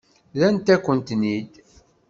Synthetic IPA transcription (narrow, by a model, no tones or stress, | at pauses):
ðænt̪ækʷːənt̪nid̪